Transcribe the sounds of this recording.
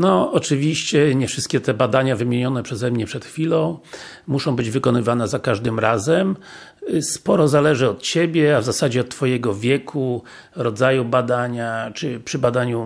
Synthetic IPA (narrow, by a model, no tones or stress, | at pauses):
nɔɔt͡ʂɘvʲiɕt͡ɕɛɲɛfʂɘst̪kʲɛt̪ɛbad̪aɲavɘmʲjeɲɔnɛpʂɛzɛmɲɛpʂɛt̪xfʲilɔ̃w̃ | muʂɔ̃w̃bɘd͡ʑvɘkɔnɘvanɛzakaʐd̪ɘmɾazɛm | spɔɾɔzalɛʐɘɔt̪̚t͡ɕebʲjɛavzasad͡ʑɛɔt̪tːfɔjɛɡɔvʲjɛkʰu | ɾɔd̪zajubad̪aɲat͡ʂɘpʂɘbad̪aɲu